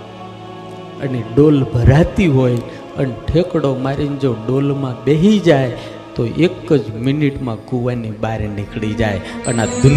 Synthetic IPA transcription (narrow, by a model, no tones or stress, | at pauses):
ə̰neɖolbʱəɾat̪iɦojl | əneʈʰekɽomaɾind͡ʒoɖolmãbeɦid͡ʒaj | t̪oʔekːəd͡ʒminiʈmãɡuʋanibaɾenikɭid͡ʒajənad̪u